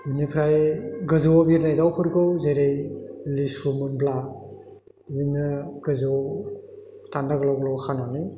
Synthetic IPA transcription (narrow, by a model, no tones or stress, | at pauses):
unipʰɾajɡɯzɯbiɾnajdawpʰɯɾɡɯwzeɾejlisumɯnbla | zinɯɡɯzɯ | tandaɡlawɡɯlɔwkʰanani